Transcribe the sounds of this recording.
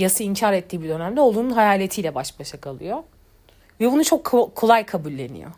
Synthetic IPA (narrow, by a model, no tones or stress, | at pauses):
jasɯiɲcʰaɾɛt̪ʰːiːbid̪ø̞næmd̪ɛo̞lˠununɦajaːlʲe̞t̪ʰijlʲɛbaʃbaʃakʰalˠɯjo | vɛbunut͡ʃʰo̞kʰːolˠajkʰabulʲːe̞nḭjo̰